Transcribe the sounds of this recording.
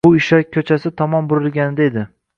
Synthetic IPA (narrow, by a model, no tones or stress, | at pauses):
ʊɪʃɒjkʲʰɵt͡ʃʰasɪt̪ʰɒmɒmbʊɾɪlˠɡʲanɪd̪aed̪ɪ